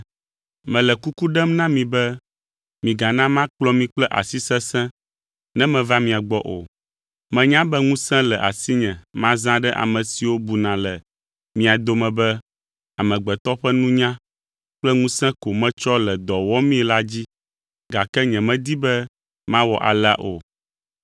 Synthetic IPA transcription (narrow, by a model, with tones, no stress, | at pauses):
mɛ̃˨lɛ˨ku˦ku˦ɖɛ˦mnã˦mĩ˨bɛ˦ | mĩ˨ɡa˨nã˦mã˦k͡plɔ˦mĩ˦k͡plɛ˦ʔa̰˨si˦sɛ̃˦sɛ̃˦ | nɛ̃˦mɛ̃˨va˦mĩ˨a˨ɡ͡bɔ˦ʔo̰˨ | mɛ̃˨ɲã˦bɛ˦ŋũ˦sɛ̃˦lɛ˨ʔa˨si˦ɲɛ̃˨mã˦zã˦ɖɛ˦ʔa̰˨mɛ̃˨si˨wo˦bu˨nã˨lɛ˨ | mĩ˨a˨d̪o˨mɛ̃˨bɛ˦ | a˨mɛ̃˨ɡ͡bɛ˨t̪ɔ˦ɸɛ˦nũ˦ɲã˦ | k͡plɛ˦ŋũ˦sɛ̃˦ko˨mɛ̃˦t͡ʃɔ˦lɛ˨d̪ɔ˨wɔ˦mĩ˦ɛ˦la˦d͡ʑi˦ | ɡa˨kɛ˦ɲɛ̃˨mɛ̃˦d̪i˦bɛ˦ | mã˦wɔ˨ʔa̰˨lɛ˦a̰˦ʔo̰˨